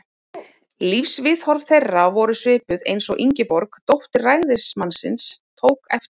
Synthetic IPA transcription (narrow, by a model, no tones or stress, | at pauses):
lifsvɪðhɔɾvθejrːavɔɾʏsvʏːpʏðḛjnsɔɣʔiɲcɪpɔɾkt̪owht̪ɪrajɣðɪɾ̥smansɪnst̪ʰoːwkɛf